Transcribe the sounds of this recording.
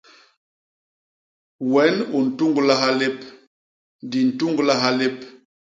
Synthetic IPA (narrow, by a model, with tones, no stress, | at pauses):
wɛ˨˦nu˨n̩˨tu˦ŋɡla˦ɦa˦le˦p | ndi˨n̩˨tu˦ŋɡla˦ɦa˦le˦p